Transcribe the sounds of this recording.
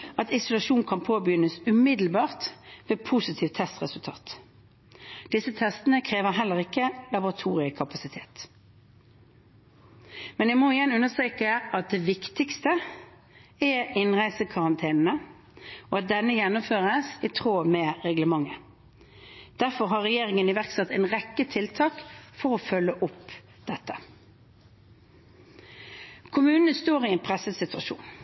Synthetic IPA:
ɑt̪ɪsʊlɑʃuːnkʰɑnpʰoːbəjʏnːəsʉmɪd̪l̩bɑːʁt̪ʋeːpʰusɪt̪ʰiːʋt̪ʰːɛst̪ʁɛsʉlt̪ʰɑ̰ːt̪ | d̪̥ɪsət̪ʰɛst̪ənəkʰʁeːʋəʁɦɛlːəʁɪkːəlɑbʊʁɑt̪ʰuːʁɪəkʰɑpɑsɪt̪ʰeːt̪ | mɛnjæɪmɔɪjɛnʉnːəst̪ʁeːkəʔɑt̪̚d̪ɛʋɪkt̪ɪkst̪ə | ɛʁɪnʁæɪsəkʰɑʁɑnt̪ʰeːnn̩ə | ɔɑt̪̚d̪ɛnːəjɛnːʊmføːʁəsɪt̪ʰʁoːmɛʁɛɡləmɑŋːə | d̪̥æʁfɔɾɦɑʁɛjeːʁɪŋənɪʋæʁksɛt̪ːɛɪnʁɛkːət̪ʰɪlt̪ʰɑːkfɔʁɔfœlːəʔʊp | d̪̥ɛt̪ːə | kʰʊmʉːnənəst̪oːʁɪɛnpʰɾɛsəsɪt̪ʉɑʃṵːn

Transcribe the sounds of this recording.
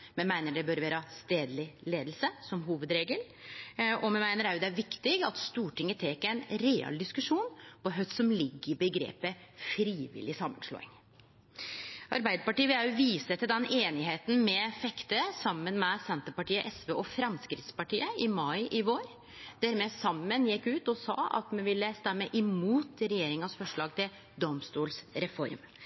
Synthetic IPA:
mɛnmæɪnəɖɛbœɾʋæːɾəst̪eːd̪lɪleːd̪l̩səsɔmɦuːʋəd̪ɾeːɡəl | ɔmɛnmæɪnəɾæɾʊd̪ɛæɾʋɪkt̪ɪɡɑt̪st̪uːʈʰɪŋːət̪ʰeːkːəæɪnɾeɑ̰ld̪ɪskʉʂuːnpʰɔɦœʏsɔmlɪɡːɪbəɡɾḛːpəfɾiːʋɪ̰lɪsɑmːənʂɭo̰ːɪ̰ŋ | ʔɑɾbæɪd̪əpɑʈiːəʋɪljɑʊʋiːsət̪ʰɪld̪ɛneːnɪɦeːt̪n̩mɛfɛkt̪əsɑmːənmɛsɛnt̪əpɑʈiːəʔɛsʋeːʔɔfɾɑmskɾɪt̪spɑʈiːəʔɪmɑɪʔɪʋoːɾ | d̪̥æɾmɛsɑmːənjɪkːʉːt̪ɔsɑ̰ːɑ̰t̪mɛʋɪlːəst̪ɛmːəʔɪmuːt̪ɾɛjeːɾɪŋənsfɔʂɭɑːɡ̚t̪ʰɪl | d̪ɔmst̪uːlsɾɛfɔ̰ɾm

